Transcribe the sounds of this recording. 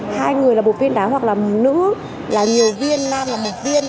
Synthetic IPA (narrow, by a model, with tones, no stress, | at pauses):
haː˧jŋɨ˨˩əjlaː˨˩ɓo˨˩t̚vi˧ənɗaː˨˦ɦwa˨˩k̚laː˨˩˨nɨ̰˧˥ | laː˨˩ɲi˨˩əwvi˧ənlaː˧mlaː˨˩mo˨˩t̚vi˧ən